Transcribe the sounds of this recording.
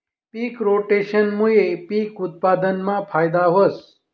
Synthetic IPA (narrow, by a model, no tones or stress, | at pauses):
piːkɾoʈeʃənmujepiːkʊt̪̚pad̪ənmãpʰaːjd̪aɦos